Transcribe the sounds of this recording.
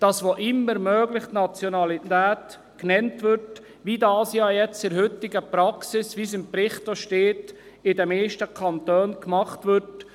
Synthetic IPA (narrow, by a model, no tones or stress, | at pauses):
d̥ɑsʋoʔɪmːəɾmœːɡlɪχtnɑt͡sjɔnɑlit̪æːt | knɛntvʏt | ʋidɑːsjɑːjɛt͡sɪɾhʏtːɪɡəpɾɑksɪsʋis̬ɪmpɾɪχtoʃteːt | ɪdɛmeːʃtəkʰɑntøːnkmɑχtvʏɾt